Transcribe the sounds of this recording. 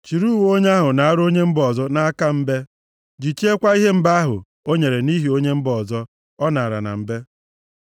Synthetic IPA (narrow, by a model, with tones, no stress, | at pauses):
t͡ʃi˨ɾu˦wo˦ɲe˦a˦ɦʊ˨na˨a˦ɾo˦ɲe˦m̩˦bɔ˨zɔ˦na˦a˦ka˦m̩˦be˦ | d͡ʒi˨t͡ʃi˦e˦kʷa˦i˦ɦe˦m̩˦ba˦a˦ɦʊ̰˨ | o˦ɲe˨ɾe˨ni˦ɦi˨o˦ɲe˦m̩˦bɔ˨zɔ˦ | ɔ˦na˨a˨ɾa̰˨na̰˨m̩˨˦be˦